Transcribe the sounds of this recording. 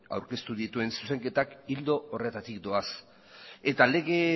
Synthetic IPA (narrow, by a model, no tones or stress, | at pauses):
a̰wɾke̞st̪uðit̪ue̞nsu̥se̞ŋke̞t̪akild̪o̞ːre̞t̪at̪ik̚d̪o̞as | e̞t̪ale̞ɣe̞